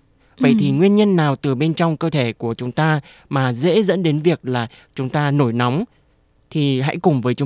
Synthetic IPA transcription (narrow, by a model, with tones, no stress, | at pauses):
və̰˧˨jt̪ʰi˨˩ŋwi˧ənɲə˧nːaː˨˩wt̪ɨ˨˩ɓe˧nt͡ɕɔ˧wŋ͡mkəː˧t̪ʰe˧˩ku˧˩ət͡ɕʊ˨˦ŋ͡mt̪aː˧ | maː˨˩zḛ˧˥zə̰˧˥nɗe˨˦nvi˨˩ək̚laː˨˩t͡ɕʊ˨˦ŋ͡mt̪aː˧no˧˩jnɔ˨˦wŋ͡m | t̪ʰi˨˩ɦa̰˧˥jkʊ˨˩ŋ͡mvəː˨˦jt͡ɕʊ˨˦